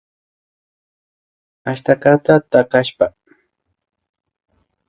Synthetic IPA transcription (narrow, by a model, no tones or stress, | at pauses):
aʃt̪akat̪at̪akaʃpa